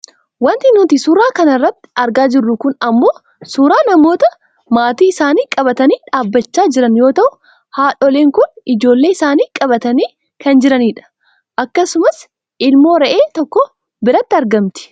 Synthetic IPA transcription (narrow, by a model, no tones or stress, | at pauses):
wɐnt̪ɪnʊːt̪ɪsʊɾaːkɐnɐrːɐt̪ːɪ̥ɐɾɡaːd͡ʒɪrːʊkʊnɐmːo̞ː | suːɾaːnɐmo̞ːt̪ɐ | maːt̪iːɪsaːniːkʼɐbɐt̪ɐniːᶑaːbːɐt͡ʃːaːd͡ʒɪɾɐnjo̞ːt̪ɐʔʊ | haːᶑɔleːŋkʊnɪd͡ʒo̞ːlːe̞ːɪsaːniːkʼɐbɐt̪ɐniː | kɐnd͡ʒɪɾɐniːᶑɐ̥ | ʔɐkːɐsʊmɐs | ɪlmo̞ːɾɐʔeːt̪ɔkːɔ | bɪɾɐt̪ːɪɐɾɡɐmt̪ɪ̥